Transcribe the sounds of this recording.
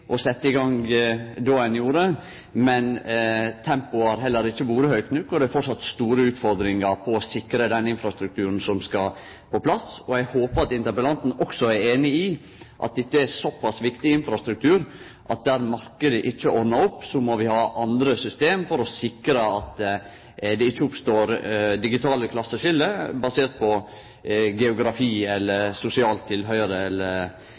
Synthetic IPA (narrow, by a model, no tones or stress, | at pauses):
ʔɔsɛt̪ːəɪɡɑŋd̪oɛnjuːɾə | mɛnt̪ʰɛmpʊɑɾɦɛlːəɾɪçːəʋuːɾəhœʏk̚t̪nʉkːɔd̪ɛæɾfɔʈʂɑt̪st̪uːɾəʉːt̪fɔɾd̪ɾɪŋɑɾpʰɔːsɪkɾəd̪ɛnɪnfɾɑst̪ɾʉk̚t̪ʰʉːɾənsɔmskɑ | pʰɔpʰlɑsɔɛɡhoːpəɾɑt̪ɪnt̪əbəlɑnt̪n̩ɔksɔæɾeːnɪɪ | ʔɑ̰t̪̚d̪ɛt̪ːəæsɔpʰːɑsʋɪkt̪ɪɪnfɾɑst̪ɾʉk̚t̪ʰʉːɾ | ʔɑt̪̚d̪æːɾmɑɾkəd̪əʔɪt͡ʃːəʔɔɾnɑɾɔpːsɔmɔʋɪhɑːʔɑnd̪ɾəsʏst̪eːmfɔɾɔsɪkɾəɑt̪ | d̪ɛɪt͡ʃːəʊpst̪oːɾd̪ɪɡɪt̪ʰɑːləkʰlɑsːəʂɪlːəbɑseːɾt̪̚pʰɔ | ɡɛʊɡɾɑfiːɛlːəɾsʊsɪɑːlt̪ʰːɪlɦœʏɾəɛlːəɾ